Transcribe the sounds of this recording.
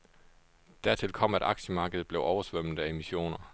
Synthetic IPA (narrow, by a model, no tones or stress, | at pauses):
d̥æɐ̰t͡sʰelkʰɒ̽m̰æɾ̥ɑ̈ɡ̥ɕəmɑ̈ːɡ̥əð̩ˠb̥leʊʔɒʊɐsʋœm̰l̩ˠæe̝miɕo̝̰ːnɐ